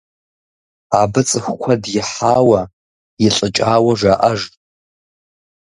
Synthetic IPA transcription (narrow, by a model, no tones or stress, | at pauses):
abɨt͡sʼɨxʷkʷʰadjɪħaːwa | jɪɬʼɨt͡ʃʼaːwaʐʷaʔaʒtʼ